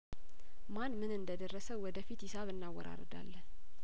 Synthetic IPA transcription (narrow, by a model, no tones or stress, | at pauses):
manːmɨnɨnd̪əd̪ərːəsəwwɔd̪əfit̪hɪsaβɨnːawːɔɾa̰ɾəd̪a̰lːən